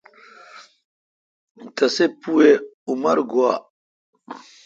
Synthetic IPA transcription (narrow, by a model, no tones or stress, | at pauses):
t̪ɐsepueumɐɾɡua